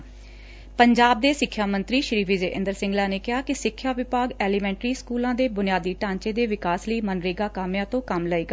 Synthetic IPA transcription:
pəɲd͡ʒaːb̚d̪eːsɪkʰːjaːmə̃nt̪ɾiːʃɾiːʋɪd͡ʒeːʔɪ̃nd̪əɾsɪ̃ŋɡlaːneːkɪɦaːkɪsɪkʰːjaːʋɪpaːɡɛːliːmɛ̃ːɳʈɾiːskuːlãːd̪eːbʊnɪjaːd̪iːʈãːɲt͡ʃeːd̪eːʋɪkaːsləiːmənɾəiːɡaːkaːmjãːt̪õːkəmləiːɡaː

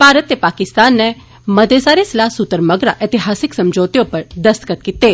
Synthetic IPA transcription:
paːɾət̪ːepaːkɪst̪aːnːɛ | mɐd̪ʱesaːɾesɪlaːsʊt̪əɾmɐɡɾa̰ʔet̪ɪɦaːsɪksɐmd͡ʒoːt̪ijõpɐɾd̪ɐst̪kət̪̚kit̪ːeː

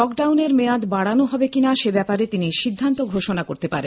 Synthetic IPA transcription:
ɔkɖawneɾmead̪baɽanoɦɔbekinaʃebɛpaɾet̪iniʃid̪ʱːant̪oɡʱoʃonako̰ɾt̪epaɾen

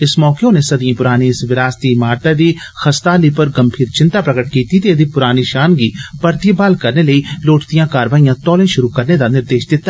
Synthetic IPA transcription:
ɪsmɔːkeõnesɐd̪jẽpʊɾaːniɪsʋɪɾaːst̪imaːɾt̪ad̪i | xɐst̪aːlipəɾɡɐmbʰʱiːɾt͡ʃɪ̃nt̪aːpɾɐkəʈkiːt̪it̪eəd̪ipʊɾaːniʃaːnɡipɐɾt̪ibaːlkɐɾneləiloːʈt̪ijãːkaːɾʋaːijãːt̪ɔːlẽʃʊɾukɐɾned̪anɪɾd̪eːʃd̪ɪt̪ːa

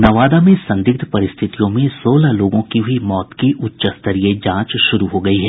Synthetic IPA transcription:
nɐʋaːd̪amẽsɐ̃nd̪ɪk̚t̪ʰpɐɾɪst̪ʰɪt̪ijõmẽsoːlaloːɡõkibʱimɔːt̪kiʔʊtːʃəst̪ɐɾied͡ʒãːt͡ʃʃʊɾuɦoɡɐiɦɛː

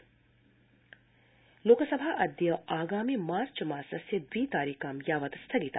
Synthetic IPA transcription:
loːkəsɐbʱaːʔɐd̪jɐaːɡaːmimaːɾt͡ʃɐmaːsɐsjɐd̪ʋiːt̪aːɾiːkaːmjaːʋɐt̪ɐst̪ʰɐɡit̪aː

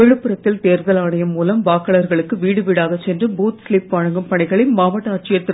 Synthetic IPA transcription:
ɛɻɯpːɯɾɐt̪ːɪlt̪eːɾðɐlaːɳɐjɐmːuːlɐmʋaːkːɐɭɐɾɣɐɭɯkːɯʋiːɽɯʋiɽaːɣɐt͡ʃːɛndrɯbuːt̪sliːpʋaːɻɐŋɡɯmpɐɳɪɣɐɭɪnmaːʋɐʈːɐɐʈt͡ʃːɪjɐt̪ːɪ

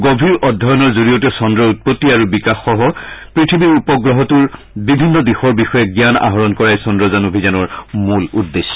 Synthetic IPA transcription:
ɡobʱiɹɔdʱɔjɔnɔɹzoɹijɔtɛsɔndɹɔut̚pɔtːiaɹubikaxːɔɦɔpɹitʰibiɹupɔɡɹɔɦɔtuɹ | bibʱinːɔdixɔɹbixɔjɛɡjana̰ɦɔɹɔnkɔɹajsɔndɹɔzanobʱizanɔɹmuludːesɔ̥

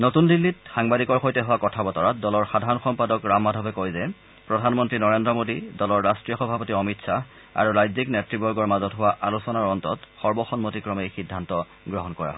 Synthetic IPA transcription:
notundilːitxaŋbadikɔɹxojtɛɦʊwakɔtʰabɔtɔɹadɔlɔɹxadʱaɹɔnxɔmpadɔkɹamːadʱɔbɛkojzɛ | pɹɔdʱanmɔntɹinɔɹendɹɔmodidɔlɔɹːastɹijɔxɔbʱapɔtiɔmitsa | a̰ɹuɹajziknɛtɹibɔɹɡɔɹmazɔtɦʊwaʔalusɔnaɹɔntɔ̰txɔɹbɔxɔnmotikɹɔmejxidʱːantɔ | ɡɹɔɦɔnkɔɹa̰ɦɔ

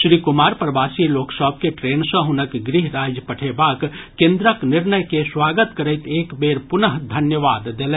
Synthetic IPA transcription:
sɾikumaɾpɾəbasiloksəbʱkeʈɾensə̃ɦunəkɡɾiɦɾad͡ʒjəpəʈʰebakkːẽnd̪ɾəknɪɾnəjkeswaɡət̪kəɾəɪt̪ekbeɾpunəɦd̪ʱənjəʋad̪ːelɛ

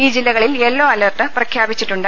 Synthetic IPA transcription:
iːd͡ʑilːɐɣɐɭilelːoːɐlɐrʈːɨprɐkʰjaːbit͡ɕːiʈːuɳɖɨ

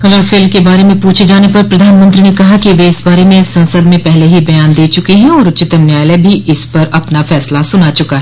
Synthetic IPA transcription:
xɐlafeːlmkebaːɾemẽpuːt͡ʃʰed͡ʒaːnepɐɾpɾɐd̪ʱaːnmɐ̃nt̪ɾinekɐɦakiʋeɪsbaːɾemẽɪsːɐ̃nsəd̪mẽpɛɦleɦibɐjaːnd̪eːt͡ʃʊkeɦɛ̃ɔːɾʊt͡ʃɪt̪əmnjaːjlebʱiʔɪspɐɾɐpnafɛːslasʊnat͡ʃʊkaɦɛ

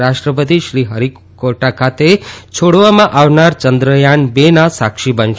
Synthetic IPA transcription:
ɾasʈɾəp̬ət̪̬iʃɾiɦʌɾik | kːoʈakʰat̪et͡ʃʰoɽʋamãʔawnaɾt͡ʃʌnd̪ɾəjanbenasakʃibʌnt͡ʃ

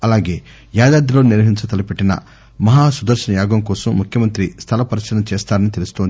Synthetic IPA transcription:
ɐlaːɡe̞ː | jaːd̪aːd̪ilo̞ːniɾʋɐɦiɲt͡ʃɐt̪ɐlɐpeʈːinɐ̰ | mɐɦaːsud̪ɐɾʃɐnɐjaːɡɐmkɔːsɐmːukʰjɐmɐnt̪ɾist̪ʰɐlɐpɐɾɐʃɐnɐmt͡ʃeːst̪aːɾɐnit̪e̞lust̪on

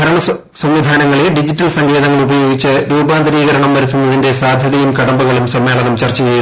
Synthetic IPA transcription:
ɐɾɐɳɐ | sɐmʋid̪ʱaːnɐŋːɐɭeɖid͡ʑitːɐlsɐŋɡe̞ːðɐŋːɐɭubɐjo̞ːɡit͡ɕːɨɾuːbaːnd̪ɐɾiːɣɐɾɐɳɐmʋɐɾut̪ːunːɐðinde̞saːd̪ʱjɐðɐjumkɐɽɐmbuɣɐɭumsɐmːe̞ːɭɐnɐmt͡ɕɐrt͡ɕːiɣɐju

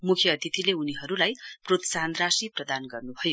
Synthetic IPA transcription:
mukʰjʌːd̪ʱit̪ʰileuniɦʌɾulajprot̪saɦnd̪rasiprʌd̪anɡʌrnubʱʌjo

